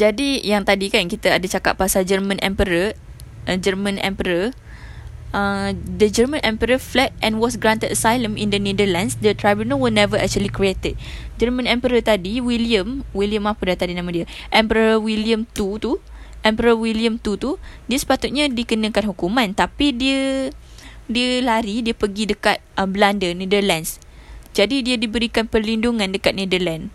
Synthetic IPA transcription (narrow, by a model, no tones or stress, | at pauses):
d͡ʒadijaŋt̪adikankit̪aadat͡ʃaka̰ʔ̚pːasad͡ʒərmə̃nʔɛ̰̃mpəɾə | ʔd͡ʒərmə̃nɛ̰̃mpəɾə | ʔədəd͡ʒəɾmə̃nʔɛ̃mpəɾəflɛt̚ʔɛ̃nwɔsɡɾant̪ədəsajlə̃mḭ̃ndənedəlansdət̪ɾajbjunəwəlnɛvəʔɛ̰k̚t͡ʃuəlikɾiet̪ət̚ | d͡ʒərmə̃nɛ̃mpəɾət̪adiwiliəmwiliəmapədat̪adinãmãdiəʔɛ̃mpəɾɾawiliəmt̪ut̪uʔɛmpəɾawiliəmt̪ut̪udiəsə̥pat̪ut̪̚ɲadikənə̃kanɦukumãnt̪apidiə | diəlaɾidiəpəɡidəkat̪̚ʔəbəlandənidərlans | d͡ʒadidiədibəɾikanpərlinduŋãndəkat̪̚nedəlãn